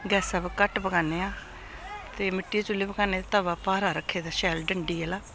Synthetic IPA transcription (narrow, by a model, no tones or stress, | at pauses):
ɡɛːsaːbkəʈbəɡaːneːaː | t̪eːmɪʈːiːt͡ʃʊlːeːbəkaːneːt̪ːt̪əːʋaːpaːɾaːɾəkʰːeːd̪aːʃɛːlɖəɳɖiːɛlaː